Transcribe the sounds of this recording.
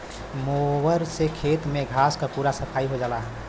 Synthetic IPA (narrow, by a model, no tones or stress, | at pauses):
moːʋəɾsekʰeːt̪mẽɡʱaːskapuːɾasəpʰaːiɦod͡ʒaːlaːɦ